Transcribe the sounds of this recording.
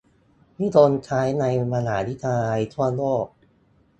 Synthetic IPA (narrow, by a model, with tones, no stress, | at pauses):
miː˥˩t̪o˧nt͡ɕʰaː˦˥jna˧jma˧naː˩˦ni˦˥˩t̪ʰaː˧jt̪ʰu˥˩ɐloː˥˩k̚